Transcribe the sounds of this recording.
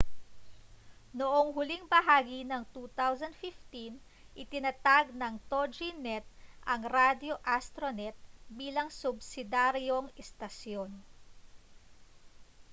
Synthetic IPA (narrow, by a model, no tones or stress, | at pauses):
noʔoŋɦʊliŋbɐɦaːɡinɐŋt̪ut̪awsɐnd̪fɪft̪in | ʔɪt̪ɪnɐt̪aɡ̚nɐŋt̪od͡ʒinɛt̪̚ʔɐŋɾad̪jo̞ʔast̪ɾonɛt̪̚biːlɐŋsʊbsɪd̪aɾjo̞ŋɛst̪ɐsjon